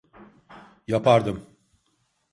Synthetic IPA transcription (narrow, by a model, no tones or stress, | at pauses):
japʰaɾd̪ɯm